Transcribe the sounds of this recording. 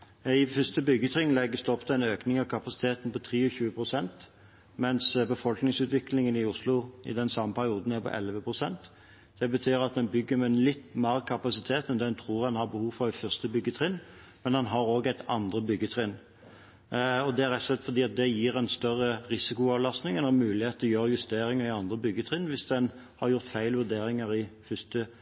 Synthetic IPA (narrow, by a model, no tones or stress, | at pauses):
ɪfʏst̪əbʏɡət̪ʰʁɪŋlɛɡəst̪ɔpːt̪æɪnøːknɪŋɑʋkʰɑpɑsɪ̥t̪ʰeːt̪n̩pɔt̪ʰɾiːɔçʉːəpʰɾʊsɛnt̪ | mɛnsbəfɔlknɪŋsʉːt̪ʋɪklɪŋənɪʊslʊɪ̰d̪ɛnsɑmːəpʰæɾɪuːd̪n̩æɾpʰɔ̰ʔɛ̰lʋəpʰʁʊsɛnt̪ | d̪̥ɛbət̪ʰyːɾɑt̪̚d̪ɛnbʏɡːəmɛnlɪt̪ːmæːʁkʰɑpɑsɪt̪ʰeːt̪mɛnd̪ɛnt̪ʰɾuːɾɑnhɑbəhuːʋfɔɾɪfʏst̪əbʏɡːət̪ʰʁɪnː | mɛnd̪ɛnɦɑɾoːɡæɪt̪ɑnd̪ɾəbʏɡːət̪ʰɾɪn | ɔd̪ɛæɾɛt̪sɔslɛt̪fɔɾd̪iːɑt̪̚d̪ɛjiːʁænst̪œʁːəɾɪsɪkʊɑːʋlɑst̪nɪŋɛnɑmʉːlɪheːt̪ɔjøːɾəjʉst̪eːɾɪŋəɾɪɑnd̪ɾəbʏɡːət̪ʰʁɪnːʋɪsd̪ɛn | hɑɾjʊɾt̪fæɪlʋʉd̪eːɾɪŋəɾɪfʏst̪ə